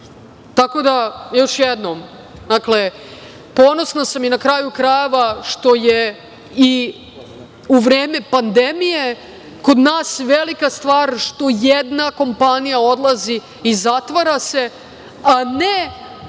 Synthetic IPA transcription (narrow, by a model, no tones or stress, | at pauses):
t̪ako̞d̪ajo̞ʃjɛd̪no̞m | d̪akle̞ | po̞no̞snasaminakɾaːjukɾaje̞ʋaʃt̪o̞je | i | uʋɾeːme̞pand̪emije | ko̞d̪naːsʋelikast̪ʋaːɾʃt̪o̞jed̪nako̞mpanijao̞d̪lˠazi | izat̪ʋaɾase̞ | ane